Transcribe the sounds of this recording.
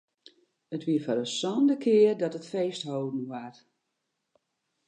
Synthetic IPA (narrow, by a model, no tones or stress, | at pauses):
ətʋiəfɔɾəsɔndəkʰɪərdɔtətfeːsthoːdən̩ʋar